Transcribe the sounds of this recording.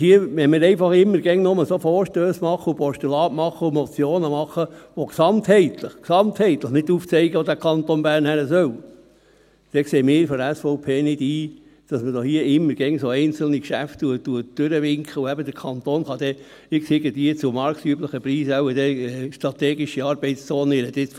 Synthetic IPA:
hiəmɛmɪːɾɛɪfɑχɪmːəɾɡɛŋnʊməsofoːɾʃtøːsmɑχːəupɔʃtulɑːtmɑχːəumɔt͡sjoːnəmɑχːəʋoksɑnt̪hɛɪt̪ləχksɑmt̪hɛɪt̪ləχnɪduːft͡sɛɪɡəʋod̪ækʰɑnt̪onbæːɾnhæɾəsœw | d̥ɛkseːmɪːɾfɔdæsfɔʊpʰeːnɪd̥iː | d̥ɑsmədohiəɪmːəɾɡ̥ɛŋsoɛɪnt͡sl̩nikʃæftuətːuət̚d̥øɾəʋɪŋkʰχəuæbəd̥̪əɾkʰɑnt̪oːnχɑd̥̪ɛ | ɪkseɡəd̪iət͡sʊmɑɾksyəbləχəpɾiːsæwəd̥̪ɛʃtɾɑt̪ɛːɡɪʃiɑːɾb̥ɛɪtst͡soːnəɪɾəd̪ɪt͡s

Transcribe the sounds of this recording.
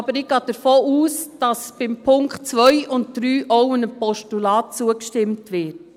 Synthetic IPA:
bəɾɪɡ̥ɑːd̥əɾfoːʔuːsd̥ɑsb̥ɪmpʰʊŋkχtt͡sʋœʏʊnt̚d̥ɾyːʔowɪnəpɔʃtulɑːt̚t͡suəkʃtɪmtʋɪːt

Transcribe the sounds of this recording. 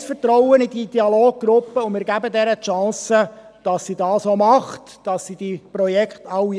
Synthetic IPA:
sfəɾtɾɔʊənididiɑloːɡ̚ɡɾʊpːəʊmɪːɾɡæbədɛɾəʃɑ̃ːsə | d̥ɑsːidɑːsomɑχt | d̥ɑsːid̥iprɔjɛkχtɑwi

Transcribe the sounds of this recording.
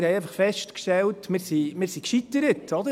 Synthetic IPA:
ɾhɛjɛjfɑχfɛʃtkʃtɛltmɪːɾsimɪːɾsikʃitːəɾətɔd̪ə

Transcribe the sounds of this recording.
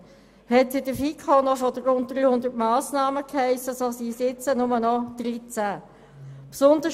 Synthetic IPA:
hɛtɪdəfikʰχonɔfɔd̪ərʊnt̚d̥ʁyːhʊnd̪ətmɑːsnɑːməkʰhɛɪsːəsosiːsɪt͡sənʊmənɔd̪̥ɾit͡sæ | psʊnd̪ə

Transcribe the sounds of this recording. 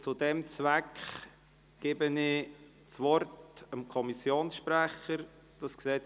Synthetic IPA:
t͡sudɛmt͡svækχ | ɡ̥ɪbənɪ | t͡sʋɔrtəmkʰɔmisjoːnsʃpræχəɾ | d̥ɑsksɛ

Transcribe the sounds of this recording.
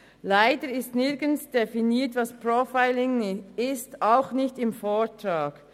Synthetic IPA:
laɪdəɾɪstnɪɾɡənsd̥efiniːtvɑspɾofaɪlɪŋɪstaʊxnɪçtɪmfoːtɾaːɡ̥

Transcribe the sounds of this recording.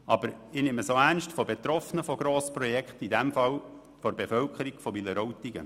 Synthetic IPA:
ʔɑb̥əɾɪneməsoænʃtfɔbet̪ɾɔfnəfɔɡ̥ɾoːspɾɔjɛkχtidæmfɑl | fɔɾbefœlkʰəɾiɡ̥fɔmiləɾɔwt̪iɡə̰

